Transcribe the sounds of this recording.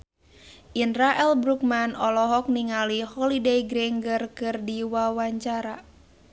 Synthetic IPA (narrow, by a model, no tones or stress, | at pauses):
ʔinraʔɛlbɾuk̚manɔlɔɦɔk̚niŋalihɔlidejɡɾɛŋɡərkɨrdiwawaɲt͡ʃaɾa